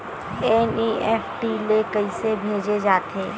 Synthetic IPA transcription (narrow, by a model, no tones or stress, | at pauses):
ɛniʔɛːfʈilekɐisebʱeːd͡ʒed͡ʒaːt̪ʰeː